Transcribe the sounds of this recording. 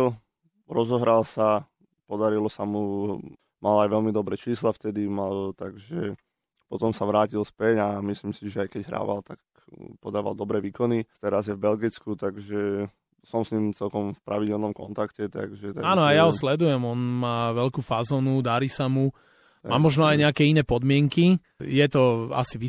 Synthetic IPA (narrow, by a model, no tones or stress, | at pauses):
l | ɾɔzɔɦɾalsa | pɔd̪aɾilɔsamu | malajʋɛlmid̪ɔbɾɛːt͡ʃiːslaft̪ɛd̪imalt̪aɡʒɛ | pɔt̪ɔmsaʋɾaːcilspɛɟamisliːmsiʒɛajkɛɟɦɾa̰ːʋa̰lt̪ak | pɔd̪aːʋa̰lˠd̪ɔbɾɛːʋiːkɔnit̪ɛɾazjɛvbɛlɡit͡skut̪aɡʒɛ | sɔmsɲiːmt͡sɛlkɔmfpɾaʋiɟɛlnɔmkɔ̰nt̪akcɛt̪a̰ɡʒɛt̪aaːnɔajaɦɔslɛd̪ujɛmɔnmaːʋɛʎkuːfazɔːnud̪aɾiːsamu | maːmɔʒnɔajɲɛakɛːinɛːpɔd̪mɪɛŋki | jɛt̪ɔa̰siʋi